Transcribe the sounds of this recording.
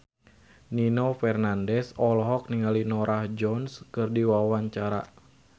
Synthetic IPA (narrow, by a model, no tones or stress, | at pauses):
ninɔfɛrnandɛsɔlɦɔk̚niŋalinɔɾʔahd͡ʒɔnskɨrdiwawaɲt͡ʃaɾa̰